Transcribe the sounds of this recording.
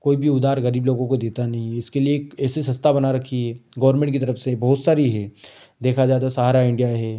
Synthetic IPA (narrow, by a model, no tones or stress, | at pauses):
koːibʱiʊd̪aːɾɣɐɾiːbloːɡõkod̪eːt̪anɐɦĩɪskelieːkɛːsesɐ̃st̪ʰabɐnaɾɐkʰiɦɛːɡɐʋəɾmẽɳʈkit̪ɐɾəfsebɐɦʊt̪saːɾiɦɛ | d̪eːkʰad͡ʒaːt̪asaːɾaɪ̃ɳɖijaɦɛː